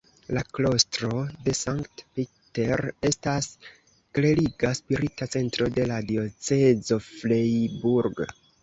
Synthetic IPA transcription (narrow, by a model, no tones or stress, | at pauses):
laklo̞stɾo̞de̞saŋktpi | te̞ɾe̞stas | kle̞ɾiɡaspiɾitat͡se̞ntɾo̞de̞ladio̞t͡sezo̞flejbuɾɡ